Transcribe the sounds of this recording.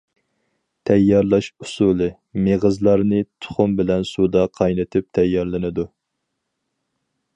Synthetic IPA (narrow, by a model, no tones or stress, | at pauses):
t̪ʰɛjːɑɾlˠɑʃusulˠɨ | meʁəzlˠɑɾnɨt̪ʰʊ̥χʊmbɪlɛnsud̪ɑqʰɑjnɨt̪ʰɪp̚t̪ʰɛjːɑɾlˠɪnɨd̪u